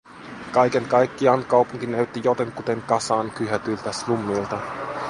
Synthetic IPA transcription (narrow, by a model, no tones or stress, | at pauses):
kɑjke̞ŋkɑjkːiɑnkɑwpuŋkinæɥt̪ːijot̪eŋkut̪e̞ŋkɑsɑːŋkyɦæt̪ylt̪æslumːilt̪ɑ